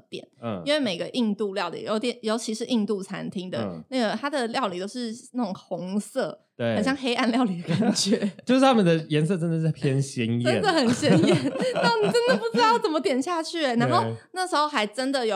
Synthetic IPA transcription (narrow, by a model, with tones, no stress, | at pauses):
t̪jɛ̰˨˩˦n˩i˥nwe˥˩ɪme˨˩ɪɡə˦ʔi˥˧ŋt̪u˥˧ljɑ˥˩ʊlḭ˨˩jo˧˥ʊt̪jɛ˨˦njo˧˥ʊt͡ɕʰi˧˥ʂɻ̩˥˧ʔi˥˧ŋt̪u˥˩t͡sʰa̰˧˥nt̪ʰi˥ŋd̪ə̰˨na˥˩ɡə˩t̪ʰa˥d̪ə˨ljɑ˥˩ʊli˨˩t̪o˥ʊʂɻ̩˥˧na˥˩ʈ͡ʂʊ˨˩ŋxʊ˧˥ŋsɤ˥˩ | t̪xɕjɑ˥˧ŋxe˥ɪʔa˥˧nljɑ˥˩ʊli˨˩d̪ə˦˩ka˨˩nt͡ɕʰɥɛ˥˩t͡ɕjo˥˧ʊʂ̩˥˩t̪ʰa˥mə˨d̪ə˩jɛ˧˥nsɤ˥˩ʈ͡ʂə˥nd̪ə˨za˥˩ɪpʰjɛ˥nɕɛ˧˥njə˥ɛ̰˥˩d̪ə˨xə˨˩nɕjɛ˥njɛ˥˩nna˥˩o˥˩ni˨˩ʈ͡ʂə˥nd̪ə˨˩pu˧˩t͡sɻ̩˥t̪ɑ˥˩ʊt͡sə˩mə˦t̪jɛ˨˩nɕja˥˧t͡ɕʰy˥˩˨na˧˥nxo˥˧ʊna˥˩ʂɻ̩˧˥xo˥˧ʊxa˧˥ɪʈ͡ʂə˥nd̪ə˨jo˨˩